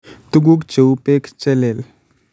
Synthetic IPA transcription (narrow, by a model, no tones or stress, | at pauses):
t̪uɡukt͡ɕepekt͡ɕəlel